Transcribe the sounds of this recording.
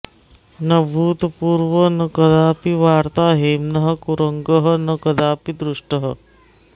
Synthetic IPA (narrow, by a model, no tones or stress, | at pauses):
nɐbʱuːt̪puːɾʋənɐkɐd̪aːpiʋaːɾt̪aːɦeːmnɐɦɐ̆kuɾəŋɡəɦɐnɐkɐd̪aːpid̪ɾuʂʈəɦɐ